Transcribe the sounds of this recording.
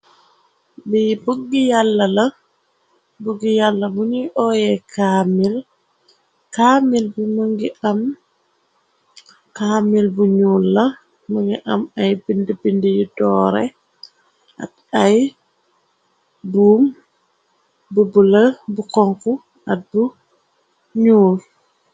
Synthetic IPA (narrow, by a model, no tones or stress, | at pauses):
bibuɡijalːɐlɐ | buɡijalːɐbuniʔɔjɛkamil | kaːmilbuməŋɡiʔam | kaːmilbuɲuːlːa | məŋɡiʔɐmɐjbindibindijidɔːɾɛ̰ | ʔa̰t̚ | aj | buːm | bubulɐbukɔŋku | at̚bu | ɲuːl